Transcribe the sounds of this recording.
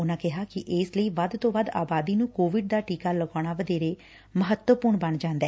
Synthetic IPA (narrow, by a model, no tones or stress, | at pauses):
ʊnãːkɪɦaːkɪʔɪːsləiːʋad̪t̪õːʋaːd̪a̰ːbaːd̪iːnũːkoːʋɪɖ̚d̪aːʈiːkaːləɡaːɽ̃aːʋəd̪eːɾeː | məɦət̪wəpʊɾɳbəɳd͡ʒãːnd̪ɛː